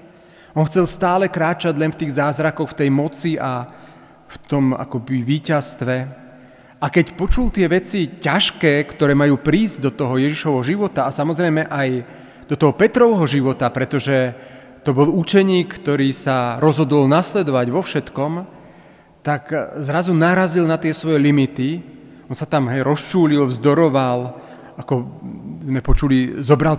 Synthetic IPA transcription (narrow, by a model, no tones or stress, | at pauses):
ʔɔnxt͡sɛlst̪aːlɛkɾaːt͡ʃaɟlɛnft̪iːɣzaːzɾakɔxft̪ɛjmɔt͡siʔa | ft̪ɔma̰kɔbiʋiːcast̪ʋɛ | ʔakɛcpɔt͡ʃult̪ɪɛʋɛt͡sicaʃkɛːkt̪ɔɾɛːmajuːpɾiːzɟd̪ɔt̪ɔɦɔjɛʒiʃɔʋɦɔʒiʋɔt̪aasamɔzɾɛjmɛʔaj | d̪ɔt̪ɔɦɔpɛt̪ɾɔʋɦɔʒiʋɔt̪apɾɛt̪ɔʒɛ | t̪ɔbɔlut͡ʃɛɲiːkːt̪ɔɾiːsaɾɔzɦɔd̪ɔlnaslɛd̪ɔʋaɟʋɔfʃɛt̪kɔm | t̪akzɾazunaɾazilnat̪ɪɛsʋɔjɛlimit̪i | ɔnsat̪amɦɛjɾɔst͡ʃuːlilvzd̪ɔɾɔʋal | akɔzmɛpɔt͡ʃulizɔbɾal